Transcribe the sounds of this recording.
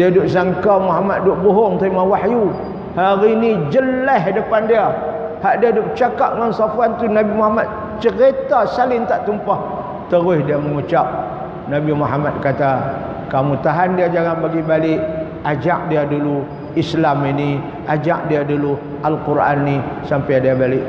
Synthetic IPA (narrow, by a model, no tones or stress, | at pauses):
diadʊʔsaŋkamuɦamat̪̚dʊʔbuɦɔŋt̪oimawaħju | haɾinid͡ʒəlɛɦdəpandia | haʔdiadʊʔ̚t͡ʃakap̚ŋansafuant̪unabimuhamat̪̚ | t͡ʃəɾet̪asalɪnt̪aʔt̪umpah | t̪əɾʊsdiaməŋut͡ʃap̚ | nabimuɦamat̪̚kat̪a | kamut̪aɦandiad͡ʒaŋanbaɡibalɪʔ | ad͡ʒak̚diadulu | islamini | ʔad͡ʒak̚diadulu | ʔalkuɾʔa̰nːisampajdiabalɪʔ